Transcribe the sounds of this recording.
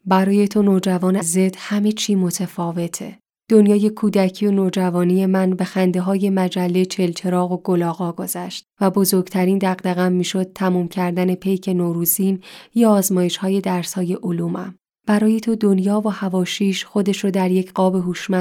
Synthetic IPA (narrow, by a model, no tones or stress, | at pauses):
bæɾɒːje̞t̪ʰo̞noːd͡ʒævɒːneze̞d̪̥hæmet͡ʃʰiːmo̞t̪ʰefɒːve̞t̪ʰḛ | d̪̥o̞njɒːje̞kʰuːd̪æcʰio̞noːd͡ʒævɒːnije̞mænbe̞xænd̪e̞ɦɒːje̞mæd͡ʒælːet͡ʃʰe̞lt͡ʃʰe̞ɾɒːɣo̞ɡolɒːɣɒːɡo̞z̥æʃt̪̚væbo̞zo̞ɾɡt̪ʰæɾiːnd̪æɣd̪æɣæmːiːʃo̞d̪̥̚t̪ʰæmuːmcʰæɾd̪æne̞pʰe̞jcʰe̞noːɾuziːnjɒːzmɒːje̞ʃhɒːje̞d̪æɾshɒːje̞ʔoluːmæ̰m | b̥æɾɒːje̞t̪ʰo̞d̪o̞njɒːvohævɒːʃiːʃxo̞d̪e̞ʃɾod̪æɾje̞cʰɢɒːbe̞ɦuʃmæ